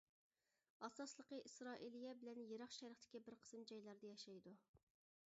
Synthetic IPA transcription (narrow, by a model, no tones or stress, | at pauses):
ɑsɑslˠəqəʔisɾɑːʔilˠijɛbɪlɛnjeɾɑχʃɛɾəχt̪ʰɪ̥kʲibɪɾqʰə̥smd͡ʒɑjlˠɑɾd̪ɑjɑʃɑjd̪u